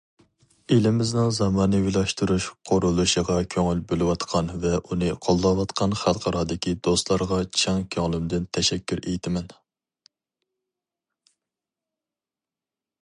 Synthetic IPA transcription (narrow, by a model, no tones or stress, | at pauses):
elɪmɪznɪŋzɑmɑːnɨwilˠɑʃt̪uɾuʃqʰoɾulˠuʃəʁɑkʲʰøŋylbølɪwɑt̪qʰɑnvɛʔunɨqʰolˠːɑwɑt̪qʰɑnχælˠqʰɑɾɑːd̪ɪkʲʰid̪ost̪lˠɑɾʁɑt͡ʃʰɛŋkʲʰøŋlˠɪmd̪ɪnt̪ʰɛʃɛkʲʰːyɾejt̪ʰɪmɛn